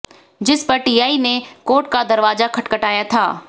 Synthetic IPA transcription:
d͡ʒɪspɐɾʈiːaːinekoːɾʈkad̪ɐɾʋaːzakʰɐʈkəʈaːjat̪ʰa̰ː

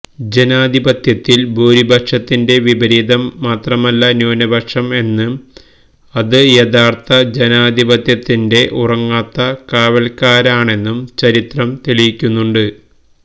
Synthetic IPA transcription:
d͡ʑe̞naːd̪ʱibɐt̪jɐt̪ːilbʱuːɾibʱɐkʂɐt̪ːinde̞ʋibɐɾiːd̪ɐmːaːt̪rɐmɐlːɐnjuːnɐbʱɐkʂɐme̞nːɨ | ɐðɨjeðaːrt̪ɐd͡ʑenaːd̪ʱibɐt̪jɐt̪ːinde̞ʔurɐŋːaːt̪ːɐkaːʋɐlkaːɾaːɳe̞nːumt͡ɕɐɾit̪rɐmt̪elijikʲːunːuɳɖɨ

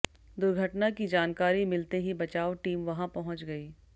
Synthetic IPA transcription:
d̪ʊɾɡʱɐʈnakid͡ʒaːnkaːɾimɪlt̪eɦibɐt͡ʃaːoʈiːmʋɐɦãpɐɦʊ̃t͡ʃɡɐiː

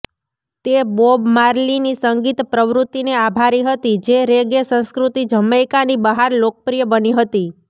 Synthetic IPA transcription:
t̪ebobmaɾlinisəŋɡit̪pɾəʋɾut̪ːineabʱaɾiɦət̪id͡ʒeɾeɡesə̃nskɾut̪id͡ʒəmajkanibəɦaɾlok̚əpɾijəbəniɦət̪i

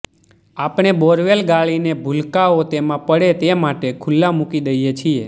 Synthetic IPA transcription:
apɳ̃ebɔɾʋelɡaɭinebʱulkaot̪emãpəɽet̪emaʈekʰʊlːãmukid̪əijet͡ʃʰie

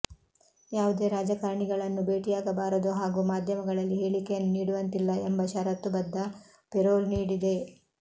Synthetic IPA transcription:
jaːʋud̪e̞ːɾaːd͡ʒɐkɐːɾɐɳiɡɐɭɐnːube̞ːʈijaːɡɐbaːɾɐd̪uɦaːɡuːmaːd̪ʱjɐmɐɡɐɭɐlːiɦe̞ːɭikejɐnːuniːɽuʋɐnt̪ilːɐembɐʃɐɾɐt̪ːubɐd̪ːɐ | pɛɾoːlniːɽid̪e̞

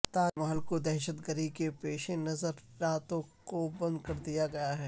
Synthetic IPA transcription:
t̪aːmɐɦəlkod̪ɛɦʃət̪ɡəɾikepeːʃenɐzəɾɾaːt̪õkobɐ̃nd̪̚kɐɾd̪ijaɡɐjaɦɛː

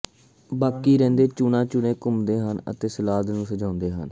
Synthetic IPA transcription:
baːkiːɾɛ̃ːnd̪eːt͡ʃuːnãːt͡ʃʊnẽːkʊmd̪eːɦənə̰t̪eːsəlaːd̪nũːsəd͡ʒãːnd̪eːɦə̰n

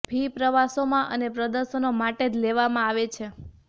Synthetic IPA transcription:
bʱipɾəʋasomãʔənepɾəd̪əɾʃənomaʈed͡ʒleʋamãaʋet͡ʃʰe

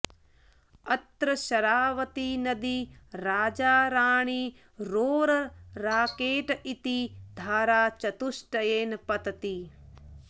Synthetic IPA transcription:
ɐt̪ɾɐʃɐɾaːʋɐt̪inɐd̪iɾaːd͡ʒaːɾaːɳ̃iː | ɾoːɾɐɾaːkeːʈit̪id̪ʱaːɾaːt͡ʃɐt̪uʃʈɐjeːnɐpɐt̪ɐt̪i

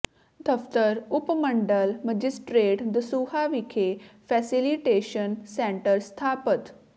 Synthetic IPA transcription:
d̪əft̪əɾupməɳɖəlməd͡ʑisʈɾeʈd̪əsuhaʋikʰefɛsiliʈeɕənseɳʈəɾst̪ʰapət̪

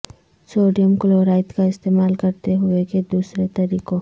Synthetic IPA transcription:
soːɖijəmkʊloːɾaːɪt̪kaɪst̪eːmaːlkɐɾt̪eɦʊeked̪uːsɾet̪ɐɾiːko

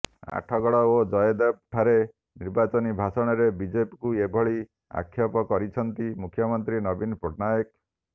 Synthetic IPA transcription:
a̰ʈʰɔɡɔɭɔod͡ʒɔjed̪ep̚ʈʰaɾe | niɾbat͡ʃɔnibʱasɔɽ̃ɔɾebid͡ʒepikuebʱɔɭi | a̰kʰjɔpɔkɔɾit͡ʃʰɔnt̪imukʰjɔmɔnt̪ɾinɔbinpoʈnajek̚

